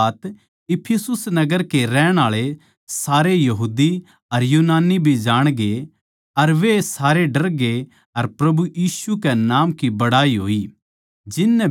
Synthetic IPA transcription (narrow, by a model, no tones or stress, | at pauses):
t̪ | ɪpʰɪsʊsnɐɡəɾkeɾɛːɽ̃aːɭe | saːɾejɐɦuːd̪i | ɐɾjuːnaːnibʱid͡ʒaːɽ̃ɡe | ɐɾʋesaːɾeɖɐɾɡe | ɐɾpɾɐbujiːsukɛnaːmkibɐɽaːiɦoːi | d͡ʒɪnːɛ